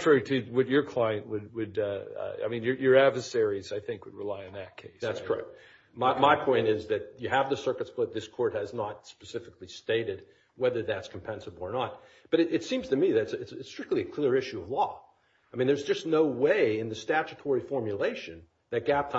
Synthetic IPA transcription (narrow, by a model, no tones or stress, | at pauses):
tɹ̥ɛɹiɾɨwʌt͡ʃə˞kʰl̥aɪɨ̃nʔwɨd̚wɨd̰a̰ɪmĩnjə˞jə˞ædvə˞sɛɹizaɪθɪ̃ŋkwɨd̚ɹɨlaɪɨ̃nðɨt̚kʰeɪsðætskʰə˞ɛ̰k̚t̚ | maɪmaɪpʰɔ̃ɪ̃ntɪzðɨt͡ʃjɨːvðɨsɜ˞kɨtsplɪt̪̚ðɪskʰɔɹt̚hɨznət̚spɨsɪfɨklisteɪɾɨd̚ | wɛðə˞ðætskʰm̩pʰɛ̃nsəb̩ˠə˞nət̚ | b̥ʌɾɨɨtsĩmz̥tʰɨmiðɨɾtsɨtsɨtstɹ̥ɪk̚tˡliɨkʰl̥ɪɹɪʃʉʌvlɔ | aɪmĩnðə˞zd͡ʒʌsⁿnoʊweɪɨ̃nðɨstæt͡ʃɨtʰɔɹifɔɹmjɨleɪʃɨ̃n | ðɨt̚ɡ̥æp̚tʰ